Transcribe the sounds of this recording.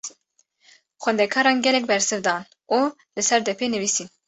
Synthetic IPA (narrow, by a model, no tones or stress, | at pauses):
xwɛnd̪ɛkʰɑːɾɑːnɡʲɛlɛk̚bɛɾsɨvd̪ɑːn | uː | lɨsɛɾd̪ɛpʰeːnɨviːsiːn